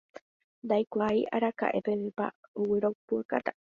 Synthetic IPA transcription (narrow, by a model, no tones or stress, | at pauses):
d̪ajkʷaiʔaɾaka̰ʔepeβɨpa̰uwiɾopuakat̪a